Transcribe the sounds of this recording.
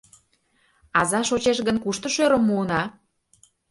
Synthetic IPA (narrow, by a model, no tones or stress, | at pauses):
ɑzɑʃot͡ɕeʃɣə̆nkuʃt̪ə̆ʃøɾəmːuənɑ